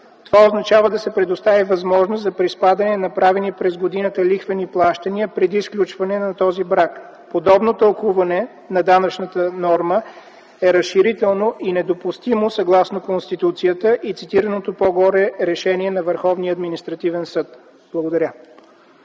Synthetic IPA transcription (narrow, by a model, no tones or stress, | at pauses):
t̪ovaoznɐt͡ʃavəd̪ɐsɛpɾɛd̪ʊst̪avivɐzmɔʒnost̪zɐpɾispad̪ɐnɛnɐpɾavɛnipɾɛzɡod̪inət̪əlixvɛniplˠaʃt̪əniəpɾɛd̪isklʲut͡ʃvɐnɛnɐt̪ɔzibɾak | pod̪ɔbnot̪ɐlˠkuvɐnɛ | nɐd̪anɐt͡ʃnət̪ənɔɾmə | ɛɾɐsʃiɾit̪ɛlˠnoʔinɛd̪opust̪imosɐɡlˠasnokonst̪it̪ut̪sijət̪əʔit̪sit̪iɾənot̪opɔɡɔɾɛɾɛʃɛniɛnɐvəɾxɔvniəɐd̪minist̪ɾɐt̪ivɛnsɤt̪ | b̥lˠəɡod̪ɐɾʲjə